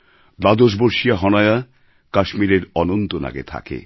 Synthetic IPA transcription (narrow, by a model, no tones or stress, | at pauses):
b̪ad̪oʃ̬boɾʃijaɦɔnaea | kaʃmiɾeɾɔnont̪ona̰ɡḛt̪ʰa̰kḛ